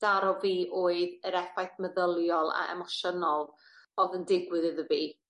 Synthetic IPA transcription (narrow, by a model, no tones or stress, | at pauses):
d̥aɾɔviːʔoːɨðəɾɛfajθməðəlˠjɔlˠa̰ɛ̰mɔʃənɔlˠ | ɔðəndɪɡwɨðɨðəviː